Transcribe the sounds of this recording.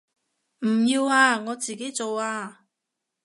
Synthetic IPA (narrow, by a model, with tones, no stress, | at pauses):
m̩˨˩jiː˧waː˧ŋɔː˨˧t͡siː˨ke˨˥jt͡so˨waː˧